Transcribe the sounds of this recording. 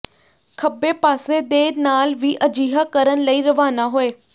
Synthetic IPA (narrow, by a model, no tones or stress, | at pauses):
kʰəbeːpaːseːd̪eːnaːlʋiːʔəd͡ʒiːɦaːkəɾənləiːɾəʋaːnaːɦoːeː